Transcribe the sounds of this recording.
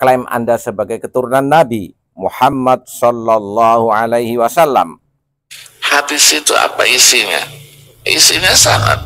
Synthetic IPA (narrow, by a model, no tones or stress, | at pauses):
klamʔa̰ndasəbaɡajkət̪uɾunanːabi | muħamːad̚sɔlːalːɑhuʕalajhiwasalːa̰m | had̪isit̪ua̰paisiɲa̰ | ḭsiɲasaŋa̰t̪̚